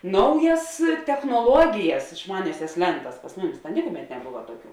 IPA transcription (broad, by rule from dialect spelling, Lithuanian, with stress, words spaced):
ˈnɐʊjɛs tʲɛxnoːˈlˠuɔɡʲɪjɛs ɪʃˈmɑːnʲɛsʲɛs ˈlʲɛntɐs pɐs ˈmʊˌmʲɪs tɐ ˈnʲɪkʊˌmʲɛt nʲɛˈbʊʋɐ ˈtuɔˌkʲuː